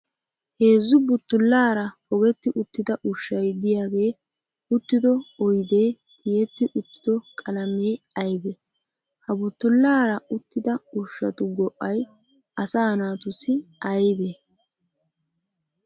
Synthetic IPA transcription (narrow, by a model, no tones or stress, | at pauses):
he̞ːzːʊbʊt̪ːʊlːaːɾɐhɔɡɛt̪ːɪʔʊt̪ːɪd̪ɐʔʊʃːɐjd̪ɪjaːɡe̞ː | ʊt̪ːɪd̪ɔɔjd̪eːt̪ʰɪjɛt̪ːɪʔʊt̪ːɪ̥d̪ɔkʼɐlɐmeː | ɐjbɛ | hɐbʊt̪ːʊlːaːɾɐʊt̪ːɪd̪ɐʊʃːɐ̰t̪ʊɡɔʔːɐj | ɐsaːnaːt̪ʊsɪɐjbɛ